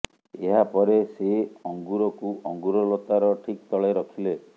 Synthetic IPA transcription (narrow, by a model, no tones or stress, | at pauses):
eɦapɔɾeseɔŋɡuɾɔkuʔɔŋɡuɾɔlot̪aɾɔʈʰikt̪ɔɭeɾɔkʰile